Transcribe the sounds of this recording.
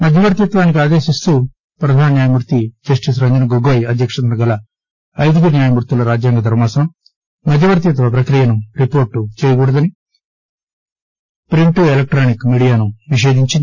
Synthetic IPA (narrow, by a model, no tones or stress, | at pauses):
mɐd̪ʱjɐʋɐɾt̪jɐt̪ʋaːnik̬iaːd̪e̞ːʃist̪u | pɾɐd̪ʱaːnɐnjaːjɐmuɾut̪id͡ʒɐsʈis̬ɾɐɲd͡ʒɐnɐɡoɡoːjɐd̪jɐkʂɐt̪ɐnɐɡɐlɐ | ɐjd̪ukunjaːjɐmuɾt̪ulɐɾaːd͡ʒjaːŋɡɐd̪ʱɐɾmaːsɐnɐm | mːɐd̪ʱjɐʋɐɾt̪̬jɐt̪ʋɐp̬ɾɐkɾijɐnuɾipoːɾʈːut͡ʃɛːjɐɡuːɽɐd̪ɐni | pɾiɳʈuelɐk̚ʈɾaːnikmiːɽijaːnuniʃe̞ːd̪iɲt͡ʃi